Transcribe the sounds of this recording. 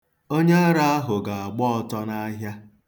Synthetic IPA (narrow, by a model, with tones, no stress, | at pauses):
o˦ɲe˦a˦ɾa˦a˦ɦʊ˨ɡa˨a˨ɡ͡bɔ˦ɔ˦tɔ˦na˦ɦja˦